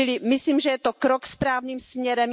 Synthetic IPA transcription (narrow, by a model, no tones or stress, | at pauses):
lɪmɪsliːmʒɛjɛt̪okɾokspɾaːvniːmsmɲɛɾɛm